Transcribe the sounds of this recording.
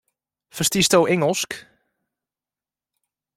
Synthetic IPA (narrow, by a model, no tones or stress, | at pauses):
fərstistowʔɛŋəlˠsk